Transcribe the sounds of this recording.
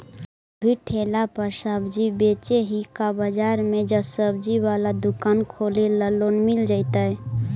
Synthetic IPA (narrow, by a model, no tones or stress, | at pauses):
bʱiʈʰelapəɾsəbd͡ʒibet͡ʃeɦikabəd͡ʒaɾmed͡ʒəsəbd͡ʒiʋalad̪ukankʰoleləlonmild͡ʒaɪt̪ə